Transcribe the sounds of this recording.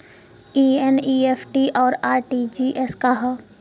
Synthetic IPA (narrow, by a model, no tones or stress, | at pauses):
iːeniːepʰʈiʔɔːɾaːɾʈid͡ʒiːʔeskaɦɔ